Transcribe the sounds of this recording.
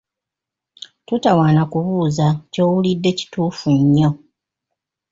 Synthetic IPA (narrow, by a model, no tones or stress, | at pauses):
tutawaːnakuβuːzaco̞ːwulidːe̞ci̥tuːfuɲːo̞